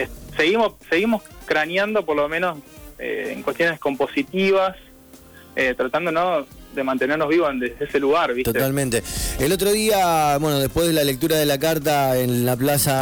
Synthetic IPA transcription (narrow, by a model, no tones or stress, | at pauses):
ese̞ɣimoseɣimo̞skɾanjand̪o̞poɾlomẽnoseḛŋkwest̪jonesko̞mpo̞sit̪iβas | et̪ɾat̪and̪onoðemant̪eneɾnoɦβiβond̪eðeeseluɣaɾβit̪otet̪almẽnt̪eelo̞t̪ɾoð̞iabwe̞noð̞epwe̞ɦðelalek̚t̪uɾaðelakaɾt̪aenlaplasa